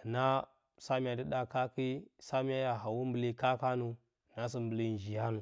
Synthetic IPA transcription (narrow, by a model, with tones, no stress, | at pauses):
na˦ | sa˦mi˦ja˨di˦ɗa˦ka˦ki˦sa˦mi˦ja˦ja˨ɦa˨wu˦m˦bə˨li˦ka˦ka˦nu˨ | na˦s̬i˦mbə˨li˦˨n˨d͡ʒi˨ja˦nu˨